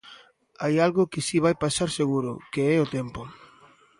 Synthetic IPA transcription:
ajalɣʊkɪsiβ̞ajpasaɾseɣuɾʊ̰keɛʊt̪ɛmpʊ

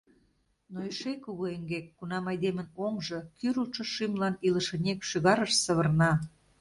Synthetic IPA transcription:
noeʃekuɣoeŋɡekːunɑmɑjd̪emə̆noŋʒɤ̆kyɾuʃɤ̆ʃimlɑniləʃə̆nʲekʃyɣɑɾəʃsə̆βə̆rnɑ

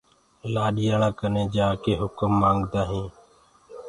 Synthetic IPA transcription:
laːɗijaːɭãːkəneːd͡ʒaːkeːɦʊkəmːãːŋɡd̪aːɦĩː

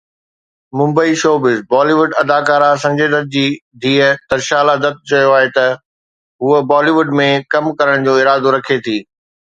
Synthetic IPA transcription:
mʊ̃mbəiʃoːbɪzbaːliːʋʊɖɐd̪aːkaːɾasɐ̃ɲd͡ʑeːd̪ət̪̚d͡ʑiːd̪ʱiːət̪ɐɾʃaːlad̪ət̪̚t͡ɕɐjoaːɦet̪ɐ | ɦuəbaːliʋʊɖmẽkɐmkɐɾəɽ̃d͡ʑoːɪɾaːd̪oɾɐkʰet̪ʰiː

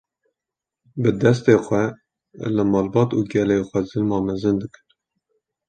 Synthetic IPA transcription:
bɨd̪ɛs̬t̪eːxʷɛ | lɨmɑːlbɑːt̪uːɡɛleːxʷɛzɨlmɑːmɛzɨnd̪ɨkɨ̥n

